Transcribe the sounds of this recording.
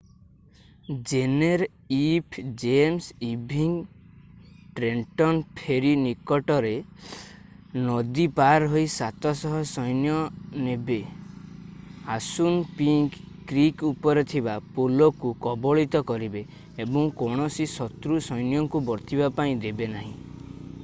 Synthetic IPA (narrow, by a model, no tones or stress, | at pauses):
d͡ʒeneɾ | ipʰd͡ʒemsibʱiŋ | ʈɾeɳʈɔnpʰeɾinikɔʈɔɾe | nɔd̪ipaɾɦojsat̪ɔsɔɦɔsɔjnjɔnebe | asunpiŋkː | ɾikupɔɾet̪ʰibapolɔkukɔbɔɭit̪ɔkɔɾibeː | bɔŋkɔɽ̃ɔsisɔt̪ɾusɔjnjɔŋkubɔɾt̪ʰibapaĩd̪ebenaɦĩ